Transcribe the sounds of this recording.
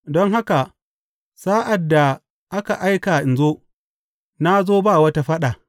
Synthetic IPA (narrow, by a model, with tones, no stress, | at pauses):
dɔ˦ŋɦa˦ka˨ | saː˦ʔa˨dːa˨ | ʔa˦ka˨ʔa˦jka˨ʔɪ˨nzoː˦ | na˦zoː˦baː˦˨wɐ˦ta˦ɸa˦ɗa˨